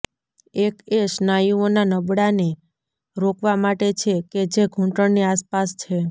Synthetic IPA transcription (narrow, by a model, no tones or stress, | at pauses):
ekeʃnajuonanəbɽane | ɾokʰʋamaʈet͡ʃʰeked͡ʒeɡʱũʈəɳniaspast͡ʃʰe